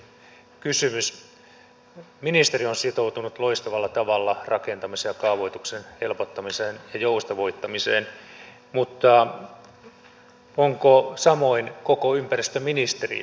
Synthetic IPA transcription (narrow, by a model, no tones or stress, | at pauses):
kysymys | minist̪erionsit̪out̪unut̪loist̪ɑʋɑlːɑt̪ɑʋɑlːɑrʔɑkent̪ɑmisejɑkɑuʋoit̪uksenhe̞lpot̪ːɑmiseːnjɑjoust̪ɑʋoit̪ːɑmiseːn | mut̪ːɑ | oŋkosɑmoinkokoympærist̪øminist̪erḭ